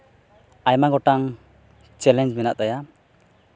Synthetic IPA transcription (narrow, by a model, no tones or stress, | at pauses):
ajmaɡɔʈaŋ | t͡ʃɛlɛnd͡ʒmɛnaʔt̪aja